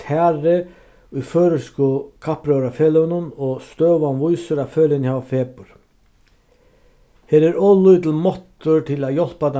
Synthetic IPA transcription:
t̪ʰaːɾɪ | ʊjføːɾʏskʊkʰapɾœɾafɛːlœnʊnɔɣst̪œːʋanvujsʏɾafœːlɪnhaːvafɛːpʊɾ̥ | heːɾɛɾɔːlʊjt̪ɪlmɔht̪ʊɾt̪ʰɪlaðjɔl̥pat̪a

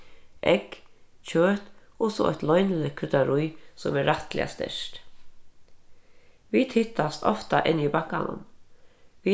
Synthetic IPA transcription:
ʔɛkt͡ʃʰøːt̪ɔsɔɔ̰ht̪lɔjnɪlɪkʰʏt̪aɾʊjsɔmɛɾːaht̪lɪ̰a̰st̪ɛ̰ʂt̪ | viːt̪hɪht̪ːast̪ɔft̪aʔɪnibakːanʊ̰m | ʋi

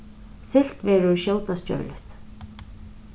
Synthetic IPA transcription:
sɪl̥t̪vɛːɾʊɹʃjoːwt̪ascœ̰ːɹlʏ̰ht̪

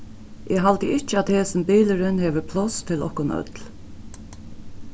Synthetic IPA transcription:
ʔɛːɦalt̪əɪt͡ʃəat̪heːsɪmbiːləɾɪnheːʋəpʰlɔst̪ʰɪlɔ̰hkʊnœ̰t̪l

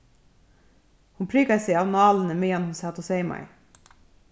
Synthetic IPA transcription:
hʊmpʰɾiːɡɑseɪɑʋnɑːln̩əmiːɑnhʊnsɑt̪ɔseɪmɑ̰ɪ̰

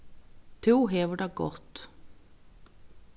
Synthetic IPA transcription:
t̪ʰuːɦeːʋəɖɑːɡɔ̰t̪

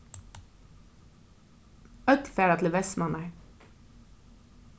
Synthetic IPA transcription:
œt̪feːɾɑt̪l̩ʋɛsmɑnæ

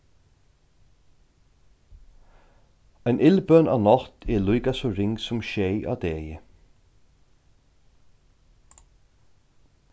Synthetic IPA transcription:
æɪnʔɪlbœnɑ̰ːnɑt̪ʰɛlujkasɔɾɪŋsʊmʃejʔɑ̰ːd̪eːjə

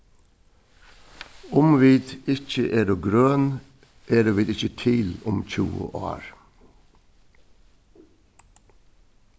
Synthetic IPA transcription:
ʊmʋiːt̪ɪc͡çəʔeːɾoːɡɾøːn | ʔeːɾoːʋiːt̪ɪçət̪ʰɪlʊmc͡çṵːə̰ʔɑ̰ːɾ

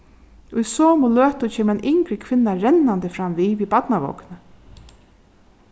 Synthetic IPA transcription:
ʊjsɔːmʊløːht̪ʊt͡ʃʰeːmɛnʔɪŋkɾɪkʰʋɪnːaɾɛnːant̪ɪfɾamviːʋibat̪naʋo̰wknə

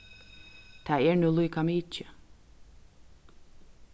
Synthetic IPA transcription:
t̪ʰaɛɹnuːlˠuːkamiːt͡ʃə

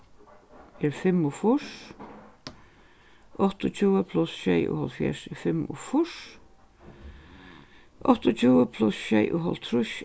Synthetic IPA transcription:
ɛɹfɪmːʊfʊʂ | ɔht̪ʊt͡ʃʰuːəpʰlʊsʃɛjʊ̰hɔlfjɛ̰ʂɛfɪmʊ̰fʊʂ | ʔɔht̪ʊt͡ʃʰuːəpʰlʊsʃɛjʔʊɦɔlt̪ʰɾʊʃ

